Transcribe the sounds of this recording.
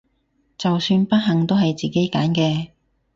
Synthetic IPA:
t͡sɐ˨wsyː˧npɐ˥t̚ɦɐ˨ŋt̪o˥wɦɐ˨jt͡siː˨ke˨˥jkaː˨˥nkɛː˧

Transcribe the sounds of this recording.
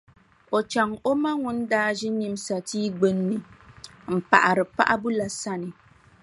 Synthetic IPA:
o˨t͡ʃa˨ŋo˦ma˦ŋʊ˦n˦daː˦ʒɛ˦ɲi˦m˦sa˨tiː˦ɡ͡be˦nːɨ˨ | m̩˨pa̰˨ʔa˨ɾɨ˨pa̰˦ʔa˦bu˦la˨sa˦nɨ˨

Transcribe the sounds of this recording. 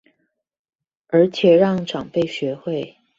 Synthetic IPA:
ə˞˧˥t͡ɕʰjɛ˨˩ɻɑ˥˧ŋʈ͡ʂɑ˨˩ŋpe˥˩ɪɕɥɛ˧˥xwe˥˩ɪ

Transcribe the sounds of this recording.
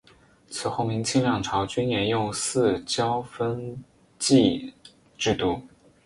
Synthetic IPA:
t͡sʰɹ̩˨˩xo˥˩mi˧˥ŋt͡ɕʰi˥˧ŋljɑ˥˩ŋʈ͡ʂʰɑ˧˥ʊt͡ɕy˥nnjɛ˧˥njʊ˥˧ŋsɹ̩˥˧t͡ɕjɑ˥ʊfə˥n | t͡ɕi˥˧ | ʈ͡ʂɻ̩˥˩t̪u˧˥˩

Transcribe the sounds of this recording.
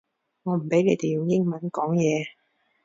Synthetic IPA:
ŋɔː˨˧m̩˨˩pe˨˥jle˨˧jt̪e˨jʊ˨˧ŋjɪ˥ŋmɐ˨˦nkɔː˨˥ŋjɛː˨˧

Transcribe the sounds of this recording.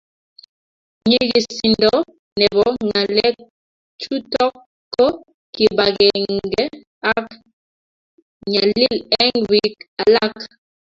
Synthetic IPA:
ɲi˦ɡi˨si˨ndɔ˦ | nɛ˨βɔ˨ŋa˨lɛ˦ | t͡ʃu˦tɔ˦kː | ɔ˦ | ki˨ba˨ɣɛ˨ŋɡɛ˦ | a˦k | ɲa˨li˦lɛ˦ŋwi˨ka˨la˦k

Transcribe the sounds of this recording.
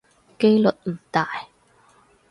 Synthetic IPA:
ke˥jlɵ˨t̚m̩˨˩t̪aː˨j

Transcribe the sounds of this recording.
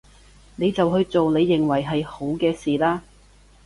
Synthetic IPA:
ne˨˧jt͡sɐ˨whɵ˧ɥt͡so˨wne˨˧jːɪ˨˩ŋwɐ˨˩jɦɐ˨jho˨˥wkɛː˧siː˨laː˥

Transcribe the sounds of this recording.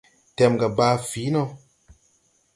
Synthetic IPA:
tɛ˨mɡa˨baː˨˧fi˨˦nɔ˦

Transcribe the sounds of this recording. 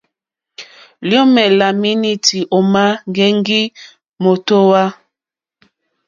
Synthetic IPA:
lo˦mɛ˨la˨mi˦ni˦ti˨ʔo˨ma˦ŋ˨ɡɛ˦ŋɡi˦ | mo˨to˦wa˦

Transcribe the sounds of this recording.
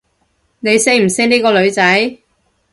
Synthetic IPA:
ne˨˧jse˥jm̩˨˩se˥niː˥kɔː˧lɵ˨˧ɥt͡sɐ˨˥j

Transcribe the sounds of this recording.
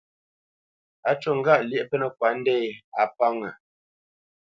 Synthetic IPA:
a˨t͡ʃo˦˨ŋ˦ɡa˦˨ʔljɛ˦ʔpə˦nə˦˨kwa˨˦n̩˦dɛ˦˨ja˨pa˦ŋə˨

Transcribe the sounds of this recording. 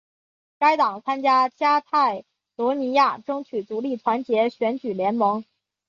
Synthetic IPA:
ka˥ɪt̪ɑ˨˩ŋt͡sʰa˥nt͡ɕja˥t͡ɕja˥t̪ʰa˥˩ɪ | lwɔ˧˥ni˧˥ja˥˩ʈ͡ʂɤ˥ŋt͡ɕʰy˨˩t͡su˧˥li˥˩t̪ʰwa˧˥nt͡ɕjɛ˧˥ɕɥɛ˧˥nt͡ɕy˨˩ljɛ˧˥nmɤ˧˥ŋ

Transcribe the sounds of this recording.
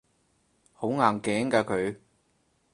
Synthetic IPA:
ho˨˥wŋaː˨˩nkɛː˨˥ŋkaː˧kʰɵ˨ɥ

